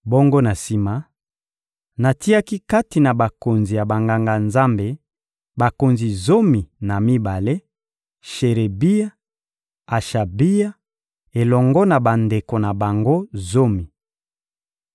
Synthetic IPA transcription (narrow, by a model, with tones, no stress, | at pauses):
bo˦ŋɡo˦na˨si˦ma˦ | na˨ti˦a˦ki˦ka˦ti˨na˨ba˨ko˨nzi˨ja˨ba˨ŋɡa˨ŋɡa˨nza˦mbe˨ | ba˨ko˨nzi˨zo˦mi˨na˨mi˦ba˨le˦ | ʃe˨ʁe˨bi˦ja˦ | a˨ʃa˨bi˦ja˦ | e˨lɔ˨ŋɡɔ˦na˨ba˨nde˨ko˨na˨ba˨ŋɡo˦zo˦mi˨